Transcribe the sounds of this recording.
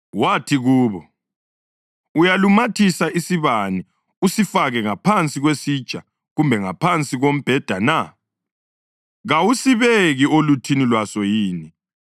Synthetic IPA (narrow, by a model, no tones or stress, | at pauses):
watʰiɣuːβɔ | ujalumatʰisaisiβani | usifaɣɛŋapʰant͡sʼiɣwesi̥t͡ʃʼa | ɣumbʱɛŋapʰant͡sʼiɣom̩b̥ʱɛd̥ʱana | ɣawusiβeɣiolutʰinilwasɔjiːni